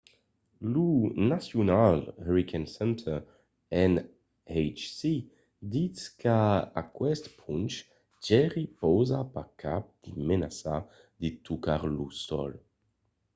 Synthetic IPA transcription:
lunasjunalɛɾikʰansɛnt̪ʰə | ɛn | ɛjt͡ʃsi | d̪it͡skaa̰kwɛst̪pʰunt͡ʃ | d͡ʒɛʁipɔwzapakʰap̚d̪̥imenasa | d̪it̪ukaʁlusɔ̰l

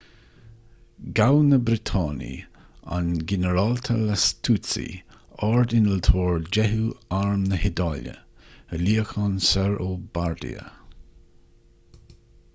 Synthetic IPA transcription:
ɡawnəbɾɪt̪ʰɑːnḭ | a̰nɡɛnəɾɑlt̪ʰəlast̪ʰut͡sḭ | ɑɹd̪ɪnəlt̪ʰoːɹd͡ʒɛɦuaɹmnəhɪd̪ɑːlə̰əliəxɑnsɛɹobaɹd̪ḭə̰

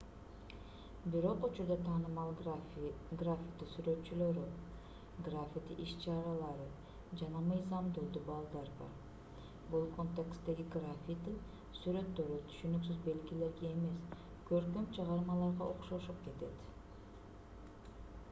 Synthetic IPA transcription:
biɾo̞qut͡ʃuɾd̪ɑt̪ʰɑːnɯmɑlˠ | ɡrafʲɪt̪isyɾø̞t̪t͡ʃylø̞ɾy | ɡrafʲit̪ḭʔiʃt͡ʃɑɾɑlˠɑɾɯ | d͡ʒɑnɑmɯjzɑmd̪olˠd̪ubɑlˠd̪ɑɾbɑ̰ɾ | bulˠkʰo̞nt̪ekst̪e̞ɡiɡrafʲit̪in | syɾø̞t̪ːø̞ɾyt̪ʰy̥ʃynyksyzbe̞lɡile̞ɾɡe̞ːme̞s | køɾkømt͡ʃʰɑʁɑɾmɑlˠɑɾʁɑʔo̞̰qʃoʃup̚ke̞t̪e̞t̪

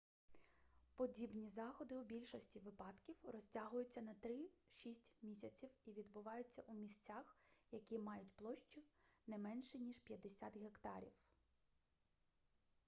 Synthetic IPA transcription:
pɔdʲibnʲizɑxɔd̪ɪubʲilʲʃɔsʲtʲiʋɪpɑd̪kʲiwrɔsʲtʲaɦʊjʊt͡sʲːɐnɐt̪ɾɪʃisʲtʲmʲisʲɐt͡sʲiwiʋʲid̪bʊʋɑjʊt͡sʲːɐʔumʲisʲt͡sʲaxjɐkʲimɑjʊtʲplˠɔʃt͡ʃʊnɛmɛnʃɛnʲiʃpʲjɐd̪esʲat̪ɦekt̪ɑ̰ɾʲḭw

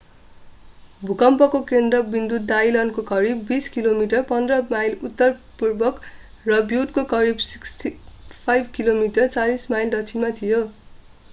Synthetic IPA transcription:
bʱukʌmpʌkokend̪rʌbind̪ut̪̚d̪ajlʌnkokʌɾibːiskilomiʈʌrpʌnd̪rʌmajlut̪ːʌrpurbʌk | rʌbjuʈ̚kokʌɾibsiksʈipʰajbʱkilomiʈʌrt͡salismajld̪ʌt͡sʰimat̪ʰijo

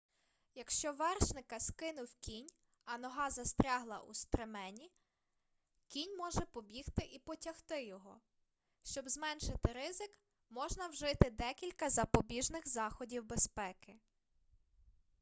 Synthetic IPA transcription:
jɐkʃt͡ʃɔʋɛrʃnɪkɐskɪnʊwkʲinʲ | ɐnɔɦɑzɐst̪ɾʲɑɦlˠɐ̰ʔust̪ɾemɛnʲi | kʲinʲmɔʒɛpɔbʲixt̪ɪʔipɔtʲɐxt̪ɪjɔɦɔ | ʃt͡ʃɔbzmɛnʃɪt̪ɪɾɪzɪk | mɔʒnɐwʒɪt̪ɪd̪ɛkʲilʲkɐzɐpɔbʲiʒnɪxzɑxɔdʲiwbespɛkɪ

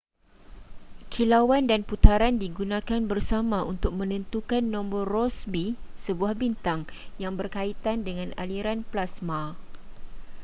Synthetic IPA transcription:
kʰilawandanput̪aɾandiɡunãkanbərsamãunt̪ʊk̚mə̃nə̃nt̪ukanːɔ̃mbɔrɔsbisəbuahbint̪aŋ | jaŋbərkait̪andəŋãna̰liɾanplasma

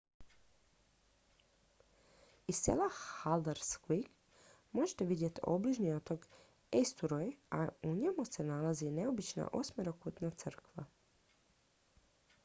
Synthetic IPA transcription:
ist̪ːsḛlahald̪eɾskʋik | moʒet̪e̞ʋid̪je̞t̪o̰bliʒniot̪oɡ | est̪uɾojauɲemusenalazine̞o̞bit͡ʃna̰ʔo̞̰smeɾokut̪nat̪sr̩kʋa̰

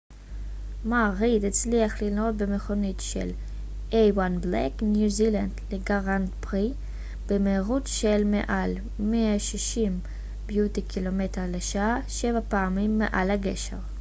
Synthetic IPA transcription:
maʁid̪et͡sliaχlilot̚bemeχonitʃḛl | ʔejwanbleknjuziland̪leɡaʁanpʁi | b̥emeːʁutʃelmḛʔal | meaʃiʃim | bjutikʰilometeʁleʃaaʃevapeamimːḛʔa̰lhaɡḛʃḛʁ

